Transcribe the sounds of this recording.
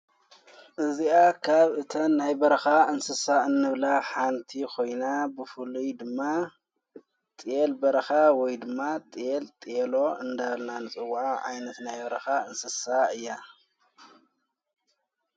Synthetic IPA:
ʔɨziakʰaβɨt̪ʰɐnajbɐɾɐxaɨnsɨsaɨnːɨβlaħant̪ʰikʰo̞jnabɨfɨlujd̪ɨmːa | t̪ʼelbɐɾɐxawɔjd̪ɨmːat̪ʼjelt̪ʼelo̞ɨnd̪alnanɨt͡sʼɨwaʕa̰jnɐt̪najbɐɾɐxaɨnsɨsaɨjːa

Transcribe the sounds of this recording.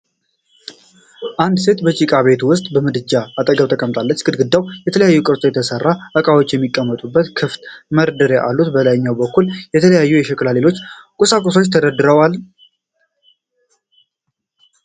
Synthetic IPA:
ʔand̪se̞t̪bət͡ʃʼikʼaβe̞t̪ʰuwʊst̪ʼbəmɨd̪ɨd͡ʒːaat̪ʼəɡəβt̪ʰəkʼəmt̪ʼalːət͡ʃːkʼɨd̪ɡɨd̪ːawjɛt̪ʰələjajːukʼɨɾt̪ʼojɛt̪ʰəsərːaʔəkʼawo̞t͡ʃːjɛmːikʼːəmːət̪ʼubːət̪kʰɨft̪məɾd̪əɾeʔa̰lːut̪bəlajɪɲːawbəkːuljɛt̪ʰələjajːujɛʃɛkʼlalelo̞t͡ʃːkʼusakʼuso̞t͡ʃːt̪ʰəd̪əd̪ːɨɾəwal

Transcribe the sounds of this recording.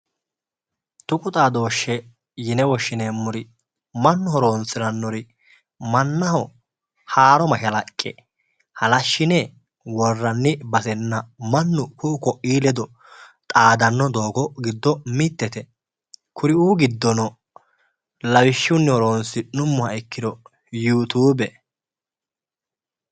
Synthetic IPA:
t̪ʊkʼʊt̪ʼaːd̪o̞ːʃːɛ | jɪnɛwɔʃːɪneːmːʊɾɪ | mɐnːʊhɔɾoːnsɪnɐnːɔɾɪ | mɐnːɐhɔ | haːɾɔmɐʃɐlɐkʼːɛ̰ | hɐlɐʃːɪnɛ | wɔrːɐnːɪbɐsɛnːɐmɐnːʊkʊʊkɔʔiːlɛd̪ɔ | t̪ʼaːd̪ɐnːɔd̪oːɡɔɡɪd̪ːɔmɪt̪ːɛt̪ɛ | kʰʊɾɪuːɡɪd̪ːɔnɔ | lɐwɪʃːʊnːɪhɔɾoːnsɪnʊmːʊhɐɛkːɪd̪ɔ | juːt̪uːbɛ

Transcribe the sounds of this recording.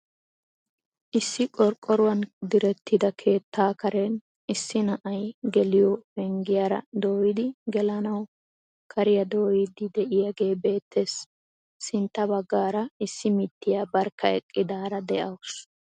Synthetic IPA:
ʔɪsːɪkʼɔɾkʼːɔɾʊwɐnd̪ɪɾɛt̪ːɪd̪ɐkʰe̞ːt̪ːaːkɐɾɛn | ɪsːɪnɐʔɐjɡɛlɪjɔbɛŋɡɪjaːɾɐ̰d̪o̞ːjɪd̪ɪɡɛlɐnɐw | kʰɐɾɪjɐd̪o̞ːjɪd̪ɪd̪ɛʔɪjaːɡe̞ːbe̞ːt̪ʰːesː | ɪnt̪ːɐbɐɡːaːɾɐɪsːɪmɪt̪ːɪjaːbɐɾkːɐɛkʼːɪd̪aːɾɐd̪ɛʔɐws

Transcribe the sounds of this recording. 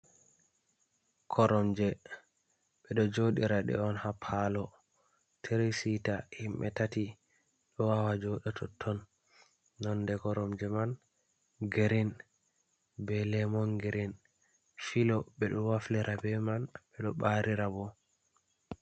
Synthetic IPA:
kʰɔɾɔmd͡ʒɛ | ɓɛɗɔd͡ʒoɗiɾaɗɛ̰ɔnhapʰːalɔ | tʰeɾisitahimɓɛ̰tati | ɗɔwawad͡ʒɔɗɛtʰɔtʰːɔnː | ɔndɛkɔɾɔmd͡ʒɛman | ɡeɾin | bɛlɛmɔnɡeɾin | filɔɓɛɗɔnwaflɛɾʔabɛmanɓɛɗɔɓaɾiɾabɔ

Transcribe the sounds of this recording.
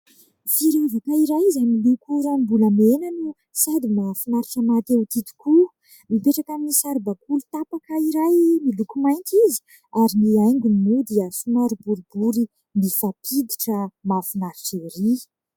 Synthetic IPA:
fiɾeuvakaiɾajizamilukuɾambuləmenanu | sad̪imafinaɾiʈ͡ʂəmat̪ewt̪it̪i̥ku | mipeʈ͡ʂakaminisaɾbakulut̪apakaiɾajmilukumajnt̪izi̥ | aɾiniajŋɡʲunimiwd̪iəsunaɾibuɾibuɾi | nifapʰid̪iʈ͡ʂəmafinaɾiʈ͡ʂeɾi

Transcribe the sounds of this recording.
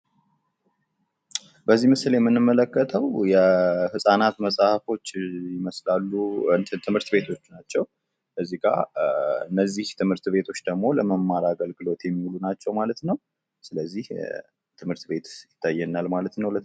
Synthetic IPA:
bəzːiməsɨljɛmːɨnːɨmːələkːət̪ʰəwjɛhɨsʼanat̪məsʼahfo̞t͡ʃːjɪməslalːuɨt̪ʰɨmhɨɾt̪be̞t̪ʰo̞t͡ʃːnat͡ʃːɛw | ʔəzːiɡa̰ɨnːəzːiht̪ʰɨmhɨɾt̪be̞t̪ʰo̞t͡ʃːd̪əɡmo̞ləməmːaɾaɡəlɡɨlo̞t̪jɛmːihulunat͡ʃːɛwmalət̪nəw | sɨləzːih | t̪ʰɨmhɨɾt̪be̞t̪jɪt̪ʰːajːɛnːalmalət̪nəwlə

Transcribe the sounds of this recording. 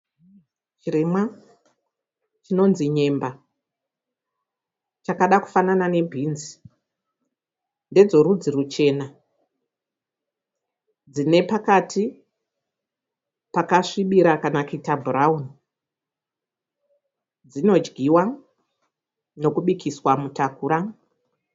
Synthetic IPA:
t͡ʃiɾemwa | t͡ʃino̞nziɲe̞mba | t͡ʃakaɗaku̥fananane̞bʱinzi | nde̞d͡zo̞ɾud͡zirut͡ʃe̞ːna | d͡zine̞pakatʰi | pakaʂiɓiɾakanakuitabʱuraun | d͡zino̞d͡ʒɡʱiwa | no̞kuɓikʰiswamutakuːɾa

